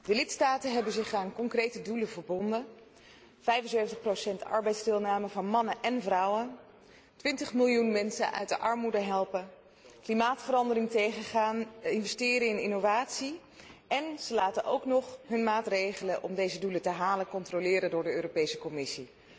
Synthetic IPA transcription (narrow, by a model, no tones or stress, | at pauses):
dəlɪtstaːtənɦɛbənzɪχaːnkɔŋkrejtəduləvəɹbɔndən | v̥ɛjvənsøɥvəntəχprosɛntɑ̰ɹbɛjtzdɪlˠnaːməvɑnmɑnənʔɛnvrʌwən | tʋɪntəχmɪlˠjunmɛnsə̰nʔœ̰ɥt̚dəʔɑɹmudəɦɛlˠpən | klimaːtfəɾɑndərɪŋtejχəχaːnɪnvɛstɪːɾəɪnɪnovaːtsi | ɛnz̥əlaːtənʔowknɔχɦɵnmaːtrejχələnʔɔmdejzədulətəɦaːləkɔntrolɪːɾəndʊːɹdəøːropejsə̥kɔmɪsi